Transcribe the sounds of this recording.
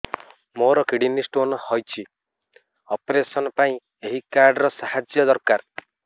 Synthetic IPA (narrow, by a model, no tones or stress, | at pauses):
moɾɔkiɽinisʈonɔhɔjt͡ʃʰi | ɔpɾesɔnɔpaĩ | eɦikaɾɖɾɔsahad͡ʒjɔd̪ɔɾkaɾ